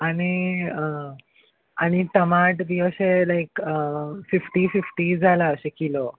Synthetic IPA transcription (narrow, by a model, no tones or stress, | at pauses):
añiə | añit̪əmaʈd̪iʋəɕelajkəfifʈififʈid͡zʱalaəɕekilo